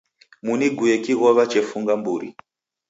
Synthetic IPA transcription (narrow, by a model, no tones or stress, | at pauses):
muniɡʱuekiɣoʋat͡ʃefuŋɡambuːɾḭ